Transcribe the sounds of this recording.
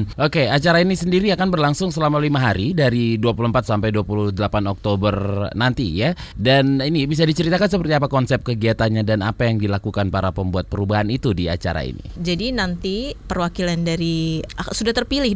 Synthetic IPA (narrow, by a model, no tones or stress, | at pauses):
ʔokeat͡ʃaɾainisəndiɾiakanbərlaŋsʊŋsəlamalimaɦaɾidaɾiduapuluəmpat̪̚sampajduapuluhdəlapanɔk̚t̪obərnant̪ijadaninibis̬adit͡ʃəɾit̪akans̬əpərt̪iapakɔnsɛp̚kəɡiat̪anɲadana̰pajaŋdilakukanpaɾapəmbuat̪̚pəɾubaɦanit̪udia̰t͡ʃa̰ɾa̰ḭnḭd͡ʒadinant̪ipərwakilandaɾiasudaht̪ərpilɪh